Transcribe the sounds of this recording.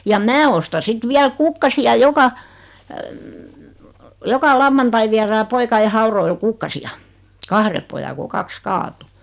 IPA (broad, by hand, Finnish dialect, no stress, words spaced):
jɑ mæː ostɑ sit ʋiæl kukːɑsiɑ jokɑ jokɑ lɑʋːɑntɑi ʋiæræː poikɑe hɑuroil kukːɑsiɑ kɑhre pojɑ ko kɑks kɑːtu